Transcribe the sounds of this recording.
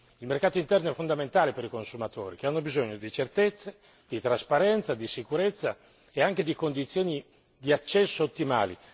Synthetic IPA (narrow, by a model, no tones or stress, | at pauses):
ilmerkaːt̪oint̪ɛrnoɛfːond̪ament̪aːlepeɾikonsumat̪o̰ːɾik̟eanːobizoɲːod̪it͡ʃert̪et̪sːe | d̪̥it̪ɾaspaɾɛnt̪sad̪isikuɾet̪sːa | eaŋk̟ed̪ikond̪it̪sːjoːni | d̪iat͡ʃːɛsːoːt̪ːima̰ːlḭ